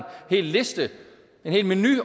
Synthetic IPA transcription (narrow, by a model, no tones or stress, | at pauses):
nhe̝̰ːlle̝sd̥ə | enhe̝ːlmeny̰